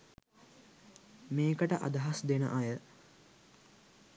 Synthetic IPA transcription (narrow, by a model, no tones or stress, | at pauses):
meːkəʈəʔa̰d̪ɐɦasd̪enə̰ʔɐjə